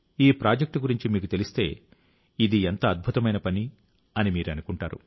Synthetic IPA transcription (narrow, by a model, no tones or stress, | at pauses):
iːpɾaːd͡ʒek̚ʈɡuɾiɲt͡ʃimiːkut̪e̞list̪e̞ː | id̪ient̪ɐːd̪̚bʱut̪ɐmɐjnɐpɐni | ɐnimiːɾɐnukuɳʈaːɾṵ